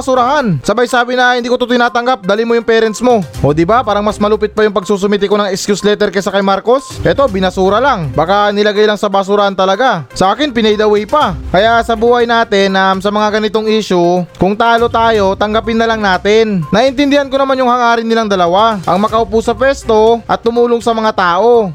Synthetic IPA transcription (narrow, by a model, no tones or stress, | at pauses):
sʊɾɐhansɐbajsaːbɪnɐhɪnd̪ikot̪ot̪ɪjnaːt̪ɐŋɡap̚d̪aːlɪmojʊŋpɛːɾɛnsmo̞ʔo̞ːd̪ɪbapaːɾɐŋmasmɐluːpɪt̪̚pɐjʊŋpɐɡ̚suːs̬ʊmit̪̬ɪko̞nɐŋɛkskjuslɛt̪ɛɾkɐsɐkɐjmaɾko̞sʔɛt̪o̞bɪnɐsuːɾɐlaŋbakanɪlɐɡajlaŋsɐbasʊɾɐhant̪ɐlɐɡasɐʔaːkɪnpɪnɛjd̪ɐwɛjpakɐjasɐbuːhɐjnaːt̪ɪnʔamsɐmɐŋaɡɐnɪt̪oŋiːʃʊkʊŋt̪aːlo̞t̪aːjo̞t̪ɐŋɡɐpɪnːɐlɐŋnaːt̪ɪnnɐʔɪnt̪ɪnd̪ɪhanko̞nɐmanjʊŋhɐŋaːɾɪnːɪlaŋd̪ɐlɐwaʔɐŋmɐkɐʔʊpuːsɐpwɛst̪o̞ʔɐt̪ːʊmuːloŋsɐmɐŋat̪aːʔo̞